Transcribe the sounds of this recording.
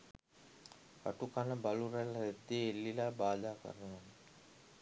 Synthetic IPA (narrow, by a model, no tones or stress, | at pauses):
a̰ʈukanəbalureled̪ːeːlːilaːbaːd̪aːkə̰ɾəno